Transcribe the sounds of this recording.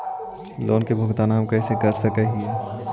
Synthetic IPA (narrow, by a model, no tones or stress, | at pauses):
loːnkebʱʊɡt̪aːnaːmkɐːsekɐɾsɐkeɦĩɛ